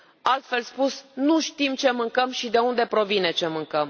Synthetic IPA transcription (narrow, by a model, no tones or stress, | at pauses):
alt̪fe̞lspusnuʃt̪imt͡ʃe̞mɨŋkəmʃid̪e̞und̪e̞pɾo̞vine̞t͡ʃe̞mɨŋkəm